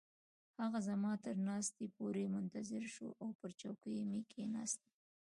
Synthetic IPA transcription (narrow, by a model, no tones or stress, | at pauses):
haɣazamɑt̪əɾnɑst̪epoɾemʊnt̪azɪɾʃo̰ʔawpəɾt͡ʃawkəjmekʰenɑ̰st̪e